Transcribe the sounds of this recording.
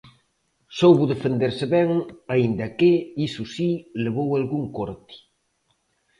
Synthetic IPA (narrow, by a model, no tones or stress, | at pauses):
sowβuðefend̪eɾseβɛŋaind̪ɐkɪisusileβowalɣuŋkoɾt̪i̥